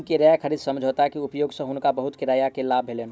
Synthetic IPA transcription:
nkeɾajakʰəɾid̪səmd͡ʒʱot̪aɦɛkiʊpjoːɡsə̃ɦʊnkabəɦʊt̪kɪɾajakelaːbʱelen

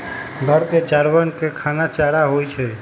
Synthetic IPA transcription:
ɡʱəɾt̪ed͡ʒaɾʋənkekʰanat͡ʃaɾaɦojt͡ʃʰɛ

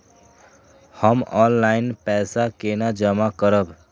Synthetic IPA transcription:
həmɔnlaɪnpɛsakenad͡ʒəmakəɾəb

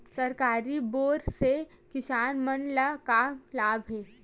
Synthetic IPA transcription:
sɐɾkaːɾiboːɾse | kɪsaːnmənlakamlaːbʱɦeː

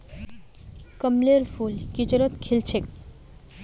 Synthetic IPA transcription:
kəmleɾfulkit͡ɕoɾot̪kʰelt͡ɕʰek

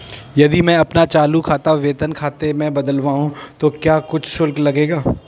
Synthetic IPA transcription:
jɐd̪imɛ̃ɐpnat͡ʃaːlukʰaːt̪aʋeːt̪ənkʰaːt̪emɛ̃bɐd̪əlʋaːɦũt̪okjaːkʊt͡ʃʰʃʊlklɐɡeːɡaː

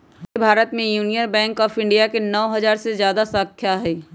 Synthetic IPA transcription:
bʱaːɾət̪mẽjuːnijənbɛ̃ːŋkɔːfɪ̃ɳɖijakenɔːɦɐzaːɾsezjaːd̪asãkʰjaɦɛː

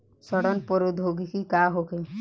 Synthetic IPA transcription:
sɔɽɔnpɔɾud̪ʱɦoɡikikaːɦoke

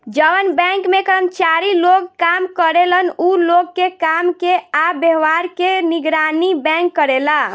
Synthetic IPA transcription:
d͡ʒəʋənbɛ̃ŋkmekəɾəmət͡ʃaɾiloɡkamkəɾelənuloɡkekamkeabeɦʋaɾkeniɡɾanibɛ̃kːəɾela

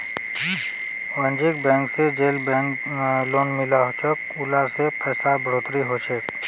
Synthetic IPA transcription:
ʋə̃nd͡ʒik̚bɛ̃ːŋksed͡ʒeːlbɛ̃k | loːnmɪlaɦot͡ʃʰək | ʊlaɾsepɛːsabʱɾoːt̪ɾiɦot͡ʃʰek

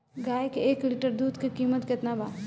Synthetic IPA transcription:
ɡaːjkeeːkliʈəɾd̪uːd̪kikiːmət̪kɪt̪nabaː

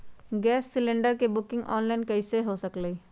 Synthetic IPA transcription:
ɡɛːsːɪlẽɳɖəɾkebʊkɪ̃ŋɡɔ̰ːnlaɪnkɐɪseɦosəklei

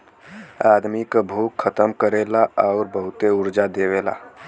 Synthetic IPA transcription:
ad̪mikabʱukʰːət̪əmkəɾelaʔaʊɾbəɦʊt̪eʊɾd͡ʒad̪ewela̰

